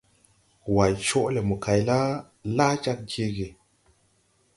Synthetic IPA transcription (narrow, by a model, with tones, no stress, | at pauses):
wa˨jt͡ʃo˦ʔle˨mu˨ka˨jla˦ | la˦t͡ʃa˦k̚d͡ʒe˦ɡe˨